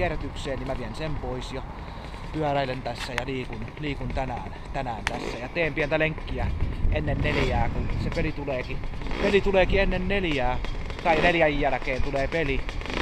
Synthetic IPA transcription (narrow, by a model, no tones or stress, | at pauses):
iæret̪ykseːnnimæʋiensempoisjɑ | t̪yælæilent̪æsːæjɑliːkunliːkunt̪ænæːnt̪ænæːnt̪æsːæjɑt̪eːmpient̪æleŋkːiæenːenneljæːkunsepelit̪uleːkipelit̪uleːkienːenneljæː | t̪ɑineljæjːælæ̆keːnt̪uleːpeli